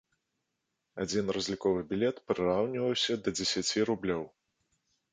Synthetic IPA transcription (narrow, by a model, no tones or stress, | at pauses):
ad͡zʲinrɐzʲlʲikɔvɨbʲilʲɛt̪pɾɨɾawnʲivɐwsʲɐd̪ɐd͡zʲɛsʲat͡sʲiɾublʲɔw